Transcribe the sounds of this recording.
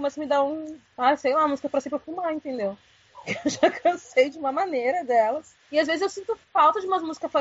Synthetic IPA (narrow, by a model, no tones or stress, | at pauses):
komɛsʊmɪd̪aũ | asejlaũmɐmuzikɐpɾɐsĩpɾɐfumaẽnt̪ẽnd̪ew | pʊkeewʒakʰɐ̃sejd͡ʒɪũmɐmɐ̃neɾɐd̪ɛlɐs | ɪazvezɪzewsĩnt̪ʊfawt̪ɐd͡ʒɪũmɐzmuzi̥kɐspa